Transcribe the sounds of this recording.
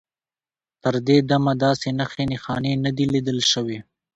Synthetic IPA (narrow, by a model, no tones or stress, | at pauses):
t̪əɾd̪ed̪amad̪ɑsenaxenexɑnenad̪ilid̪əlʃəwe